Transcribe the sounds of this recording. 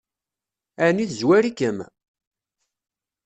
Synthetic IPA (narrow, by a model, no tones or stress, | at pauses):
æniθəzwæɾikəm